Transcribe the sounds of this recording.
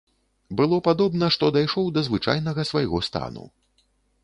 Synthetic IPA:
bɨlˠɔpad̪ɔbnɐʂt̪ɔd̪ajʂɔwd̪ɐzvɨt͡ʂa̰jnɐɣɐsvajɣɔst̪a̰nṵ

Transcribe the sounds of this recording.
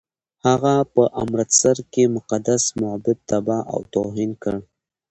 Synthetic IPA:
haɣapəʔa̰mɾat̪saɾkemʊqad̪asmʊabɪb̪̚t̪abɑʔa̰wt̪oɦinkəɽ

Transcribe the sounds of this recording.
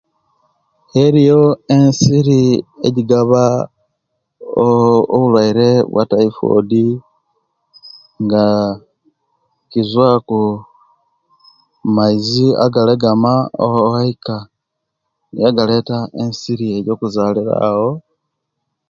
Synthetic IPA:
eɾijo̞e̞nsiɾieɟiɡaβa | βulwaiɾe̞βwa̰taifo̰di | ŋɡa | kizwaku | maizia̰ɡaleɡamao̰haika | nḭjaɡale̞tae̞nsiɾie̞jo̞ːkuzaːliɾa̰ho̞

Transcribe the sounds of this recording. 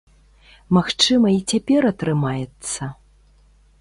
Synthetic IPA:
maxt͡ʂɨmɐit͡sʲapʲɛɾɐt̪ɾɨmajɛt̪sːɐ

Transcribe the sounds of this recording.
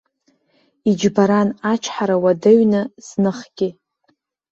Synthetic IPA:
id͡ʒbaɾanat͡ʃʷʰħaɾawadɨɥnɨz̥nɨχɡ̥ʲɪ

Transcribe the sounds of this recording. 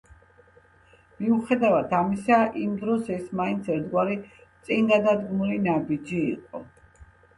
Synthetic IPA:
miuχɛd̪avat̪ʰamisaʔimd̪ɾɔsɛsmaint̪sʰɛɾt̪ʰɡwaɾit̪sʼinɡ̪ad̪ad̪ɡmulinabid͡ʒḭːqʼɔ

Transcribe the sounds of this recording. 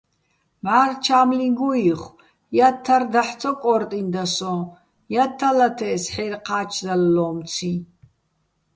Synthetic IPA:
maːrt͡ʃʰaːmliɡuiχ | jat̪ʰːard̪aħt͡sʰɔkʼɔɾt̪ʼind̪asɔ | jat̪ʰːalat̪ʰɛsħɛɾqʰaːt͡ʃʰd̪alːɔːmt͡sʰi

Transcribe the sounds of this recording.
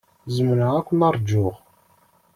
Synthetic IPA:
zəmnəʁækʷːənɑɾˤd͡ʒːʊʁ

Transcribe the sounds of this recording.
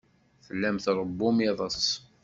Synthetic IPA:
θəlːæmθɾˤəbːʊmeðˤəsˤ

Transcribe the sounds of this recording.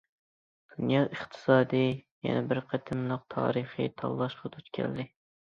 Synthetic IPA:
d̪̥unjɑʔəχt̪ʰɨ̥sɑːd̪ɨjɛ̰nɛbɪɾqʰət̪ʰɪmlˠɨq̚t̪ʰɑ̰ːɾɨχḭt̪ʰɑ̰lˠːɑʃqʰɑd̪ʰut̪kʲʰɛ̰ld̪ɪ

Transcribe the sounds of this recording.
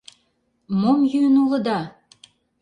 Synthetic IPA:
momjyənulə̆d̪ɑ

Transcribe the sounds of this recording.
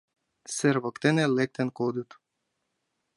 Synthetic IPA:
seɾβɤkt̪enelek̚t̪enkod̪ut̪

